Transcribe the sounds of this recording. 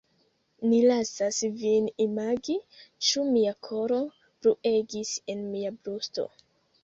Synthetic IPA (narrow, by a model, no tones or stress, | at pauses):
nilasasvinimaɡit͡ʃumiakʰo̞ɾo̞ | pɾuʔe̞ɡise̞nmiabɾusto̞̰